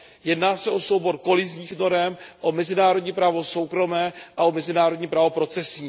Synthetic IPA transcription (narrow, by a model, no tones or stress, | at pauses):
jɛdnaːsɛʔo̞sowbo̞ɾko̞lɪzɲiːxno̞ɾɛmʔo̞mɛzɪnaːɾo̞dɲipɾaːvo̞so̞wkɾo̞mɛːʔao̞mɛzɪnaːɾo̞dɲiːpɾaːvo̞pɾo̞t͡sɛsɲiː